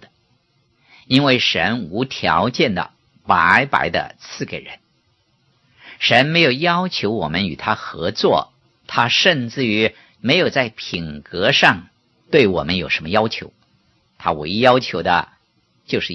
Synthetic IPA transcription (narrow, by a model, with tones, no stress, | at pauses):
i˥nwe˥˩ɪʂə̰˧˥nu˧˥t̪ʰjɑ˧˥ʊt͡ɕjɛ˥˩nd̪ə̰˨˩ | pa˧˥ɪpa̰˧˥ɪd̪ə̰˧t͡sʰɹ̩˥˩ke˨˩ɪɻə˧˥n | ʂə˧˥nme˧˥ɪjo˨˩ʊjɑ˥ʊt͡ɕʰjo˧˥ʊwɔ˨˩mə˦ny˨˩t̪ʰa˥xɤ˧˥t͡swɔ̰˥˩ | t̪ʰa˥ʂə˥˧nt͡sɹ̩˥˩y˧˥ | me˧˥ɪjo˨˩ʊt͡sa˥˩ɪpʰi˨˩ŋkɤ˧˥ʂɑ˥˧ŋ | t̪we˥˩ɪwɔ̰˨˩mə˦njo˨˩ʂə˧˥nmə˧jɑ˥ʊt͡ɕʰjo˧˥ʊ | t̪ʰa̰˥wḛ˧˥ɪjɑ˥ʊt͡ɕʰjo˧˥ʊd̪ə̰˧ | t͡ɕjo˥˧ʊʂɻ̩˥˩